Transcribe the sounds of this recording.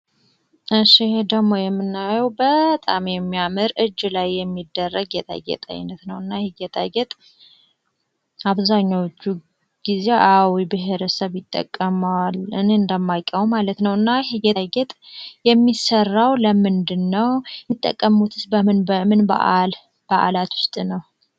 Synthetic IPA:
ʔɨʃid̪əɡmːo̞jɛmːɨnːajəwbət̪ʼamjɛmːiamɨɾɨd͡ʒːlajːɛmːid̪ːərːəɡɡjɛt̪ʼa̰ɡɛ̰t̪ʼa̰j̰nːət̪nəwɨnːahɪɡɛt̪ʼaɡɛt̪ʼ | aβzaɲːawot͡ʃːu | ɡ̥ize̞ʔawibɨɦeɾəsəβjɪt̪ʼːə̰kʼːəmalɨnɨnd̪əmːajkʼːəwumalət̪nəwɨnːaɨɡɛɡɛt̪ʼjɛmːisərːawləmɨnd̪ɨnːəwit̪ʼːə̰kʼːəmut̪ʰɨsbəmɨnbəmɨnba̰ʔal | b̥əʔa̰lat̪wʊst̪ʼnəw

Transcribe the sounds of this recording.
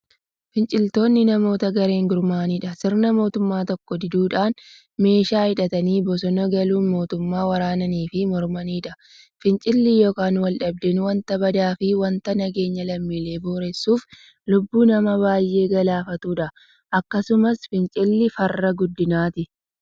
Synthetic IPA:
fɪnt͡ʃʼɪlt̪o̞ːnːɪnɐmo̞ːt̪ɐɡɐɾe̞ːŋɡʊɾmaːniːᶑɐsɪɾnɐmo̞ːt̪ʊmːaːt̪ɔkːɔd̪ɪd̪uːᶑaːn | me̞ːʃaːhɪᶑɐt̪ɐniːbɔs̬ɔnɔɡɐluːnmo̞ːt̪ʊmːaːwɐɾaːnɐniːfɪmɔɾmɐniːᶑɐ | fɪnt͡ʃʼɪlːɪjoːkaːnwɐlᶑɐb̚d̪ɛnwɐnt̪ɐbɐd̪aːfɪwɐnt̪ɐnɐɡe̞ːɲːɐlɐmːiːle̞ːboːɾɛsːuːf | lʊbːuːnɐmɐβaːjʔe̞ːɡɐlaːfɐt̪uːᶑɐ | ʔɐkːɐsʊmɐsfɪnt͡ʃʼɪlːɪfɐrːɐɡʊd̪ːɪnaːt̪ɪ

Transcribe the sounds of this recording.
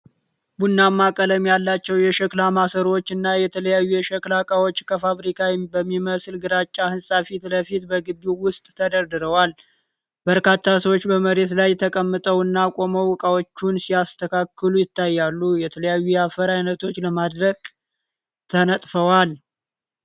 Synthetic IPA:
bunːamːakʼələmjalːat͡ʃːɛwjɛʃəklamasəɾwo̞t͡ʃːɨnːajɛt̪ʰələjajːujɛʃəklakʼawo̞t͡ʃːkʰəfaβɾikʰawibəmːiməsɨlɡɨɾat͡ʃʼːahɨnsʼafit̪ləfit̪bəɡɨbːiwʊst̪ʼt̪ʰəd̪əɾd̪ɨɾəwal | bəɾkat̪ʰːasəwot͡ʃːbəməɾe̞t̪lajt̪ʰəkʼəmːɨt̪ʼəwɨnːakʼo̞məwkʼawot͡ʃːunsijast̪ʰəkʰakːɨlujɪt̪ʰːajːalːujɛt̪ʰələjajːujɛafəɾajnət̪ʰo̞t͡ʃːləmad̪ɾəɡ̥ | t̪ʰənət̪ʼfəwal

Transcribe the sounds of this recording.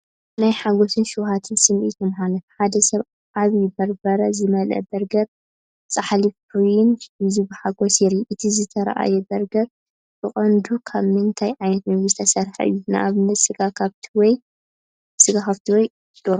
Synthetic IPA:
najħaɡo̞sɨnʃɨwhat̪ʰɨnsɨmʔḭt̪ɨmħanɐfħad̪ɐsɐβ | aβjɪbɐɾbɐɾɐzɨmɐlɐ̰bɐɾɡɐβ̚ | t͡sʼaħalif | ujɪnɨzibɨħaɡosjɛɾiʔɨt̪ʰizɨt̪ʰɐɾa̰ʔa̰jɛbɐɾɡɐβ̚ | bɨχʼɐnd̪ukʰaβmɨnt̪ʰajʕajnɐt̪mɐɨzt̪ʰɐsɐɾħa̰ʔɨ̰jːunɨʔa̰βɨnːɐt̪sɨɡakʰaβt̪ʰiwɔj | sɨɡakʰaβt̪ʰiwɔj | d̪̥oɾo

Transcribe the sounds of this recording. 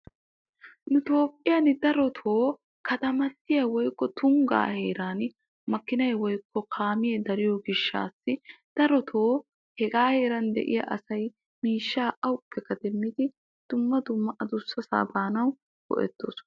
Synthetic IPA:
nʊt̪o̞ːpʼːɪjɐnd̪ɐɾɔt̪ʰo̞ː | kɐt̪ɐmɐt̪ːɪjɐwɔjkːɔt̪ʊŋɡa̰ːheːɾaːn | mɐkːɪnɐjwɔjkːɔkʰaːmɪjɛd̪ɐɾɪjoɡɪʃːa̰ːsːɪd̪̥ɐɾɔt̪ʰoː | hɛɡaːhe̞ːɾɐnd̪ɛ̰ʔɪ̰jɐ̰ʔɐsɐj | miːʃːaːʔɐwʊpːɛkːɐd̪ɛmːɪd̪ɪ | d̪̥ʊmːɐd̪ʊmːɐʔɐd̪ʊsːɐsa̰ːbaːnɐw | ɡ̥ɔ̰ʔɛ̰t̪ːo̰ːs

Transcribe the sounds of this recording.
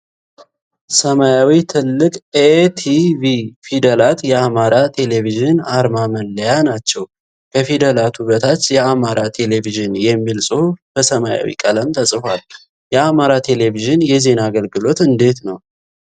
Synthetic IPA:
səmajawit̪ʰɨlːɨkʼet̪ʰivifid̪əlat̪jɛamaɾat̪ʰe̞le̞viʒɪnaɾmamənləjanat͡ʃːɛw | kʰəfid̪əlat̪ʰuβət̪ʰat͡ʃːjɛamaɾat̪ʰe̞le̞viʒɨnjɛmːilsʼɨhubəsəmaja̰wḭkʼələmt̪ʰəsʼɨfal | jɛamaɾat̪ʰe̞le̞viʒɨnjɛze̞naɡəlɡɨlo̞t̪ɨnd̪e̞t̪nəw

